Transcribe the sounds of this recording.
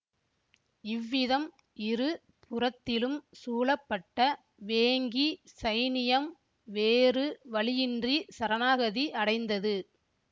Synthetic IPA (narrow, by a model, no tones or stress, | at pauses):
ɪʋːɪðɐm | ʔɪɾɯ | pʰʊrɐt̪ːɪlɯmsuːlɐpːɐʈːɐ | ʋeːŋɡisɐɪnɪjɐm | ʋeːrɯʋɐɭɪjɪndrisɐɾɐnaːɣɐðiʔɐɽɐɪnd̪ɐðɯ